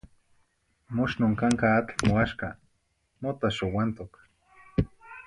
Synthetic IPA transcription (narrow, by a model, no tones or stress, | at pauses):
mʊʃnoŋkaŋkaːt̪moaʃka | mot̪aʃʊwant̪ʊk